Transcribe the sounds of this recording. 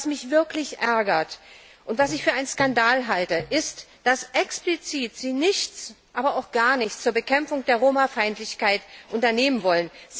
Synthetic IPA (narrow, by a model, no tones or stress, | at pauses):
smɪçv̥ɪɐklɪçʔɛɐɡɐt | ʔʊntv̥asɪçfyːɐʔaɪnskandaːlɦaltəʔɪstd̥asʔɛksplit͡siːtz̥iːnɪçt͡s | ʔaːbɐaʊxɡ̥aːɐnɪçt͡st͡suːɐbəkʰɛmfʊŋd̥eːɐʁoːmafaɪntlɪçkaɪtʔʊntɐneːmənvɔlənz